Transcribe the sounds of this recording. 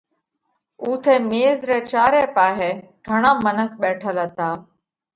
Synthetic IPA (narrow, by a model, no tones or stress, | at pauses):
uːt̪ʰeːmeːzɾeːt͡ʃaːɾeːpaːɦeːɡʱəɽãːmənək̚ʰɓɛːʈʰələt̪ãː